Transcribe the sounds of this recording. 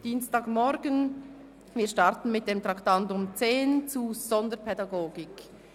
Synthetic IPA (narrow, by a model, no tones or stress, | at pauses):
d̥iːnstaːkmɔɾɡən | viːʃtɑɾtn̩mɪt̚d̥emtʁɑktɑntʊmt͡seːnt͡suzɔndəpʰɛdɑɡoːɡɪk